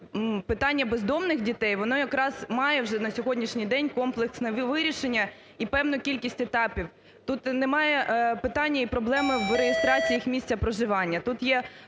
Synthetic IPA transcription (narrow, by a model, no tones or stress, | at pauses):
pɪt̪ɑnʲːɐbezd̪ɔmnɪxdʲit̪ɛjʋɔnɔjɐkɾɑz̥mɑjɛwʒɛnɐsʲɔɦɔdʲnʲiʃnʲijd̪ɛnʲkɔmplˠeksnɛʋʋɪɾʲiʃenʲːɐ | ipɛwnʊkʲilʲkʲisʲtʲet̪ɑpʲiw | t̪ut̪nɛmɑjɛpɪt̪ɑnʲːɐipɾɔblˠɛmɪʋɾejest̪ɾɑt͡sʲijixmʲisʲt͡sʲɐpɾɔʒɪʋɑnʲːɐt̪ut̪jɛ